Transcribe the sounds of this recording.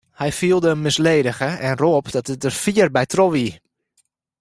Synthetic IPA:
hɛjfiəlˠdəmɪsleːdəɣəɛnroːpdɔtət̚dərfiərbɛjtroʋi

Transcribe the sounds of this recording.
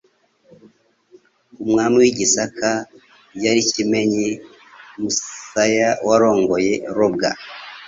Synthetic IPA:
umŋaːmiwiɟisakʰa | ɟaɾicime̞ɲi | muajawaɾo̞ːŋɡo̞je̞ɾob̚ɡa̰

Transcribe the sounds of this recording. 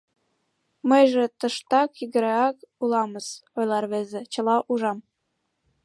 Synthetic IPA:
məjʒĕt̪ə̆ʃt̪ɑkjiɣə̆ɾeɑkulɑməzojlˠɑrβezĕt͡ɕə̆lɑʔuʒɑm

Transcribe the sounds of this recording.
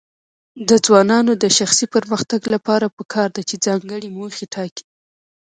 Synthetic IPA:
d̪əd͡zwɑnɑnod̪əʃaxsipəɾməxt̪aɡlapɑɾapəkʰɑɾd̪at͡ʃed͡zɑŋɡəɽimoxeʈʰɑki̥

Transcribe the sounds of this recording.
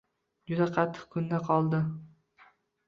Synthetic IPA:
d͡ʒʊd̪aqʰɑt̪ʰːɨ̥q̚kʰʊnd̪aqʰɒlˠd̪ɪ

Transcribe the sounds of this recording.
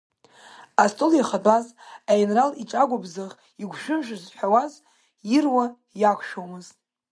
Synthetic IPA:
astʼoljaχadʼazajinraliʈ͡ʂʼaɡʷabzɨʁ | iɡʷʃᶣʊmʒʷᶣazħʷᶣawaz | jirwa | jakʷʰʃᶣowmɨztʼ

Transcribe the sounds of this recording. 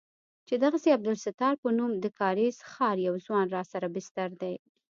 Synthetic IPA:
t͡ʃed̪aɣaseab̚d̪ʊlsɪt̪ɑɾpənumd̪əkɑɾizxɑɾjawzwɑnɾɑsaɾabɪst̪aɾd̪aj

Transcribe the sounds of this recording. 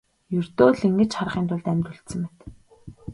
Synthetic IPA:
jɵrt̪oːɮiŋɡɘ̆t͡ɕχar̆ʁiːnt̪ʰʊɮt̪æmʲt̪ɵ̆ɬt̪sɘ̆mpet̪

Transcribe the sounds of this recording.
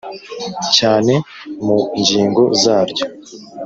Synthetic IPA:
caːne̞ | muɲɟiːŋɡo̞zaːɾɟo̞

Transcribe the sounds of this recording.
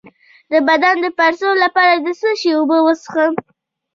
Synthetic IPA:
d̪əbad̪and̪əpaɾsolapɑɾad̪əsəʃiubəwəsxəm

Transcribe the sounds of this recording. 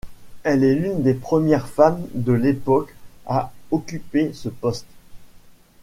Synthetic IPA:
ɛlɛlynd̪epχəmjɛʁfamd̪əlepɔkaɔkʲypesəpɔst̪

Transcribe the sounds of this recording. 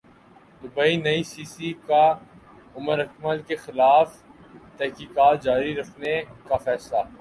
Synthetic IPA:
d̪ʊbəinɐisiːsika | ʊməɾɐkməlkexɪlaːf | t̪ɛɦkiːkaːt̪̚d͡ʒaːɾiɾɐkʰnekafɛːslaː

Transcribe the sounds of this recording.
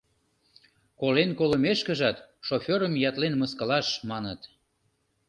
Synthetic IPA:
kolenkoləmeʃkə̆ʒɑt̪ʃofʲeɾəmjɑt̪lenməskɑlɑʃmɑnət̪

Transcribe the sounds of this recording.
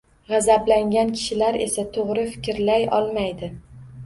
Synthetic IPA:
ʁɑzablaŋɡʲankʲʰɪ̥ʃɪlaɾe̞̰sat̪ʰoʁɾɪfɪ̥kʲɪɾlajɒ̰lˠmajd̪ɪ

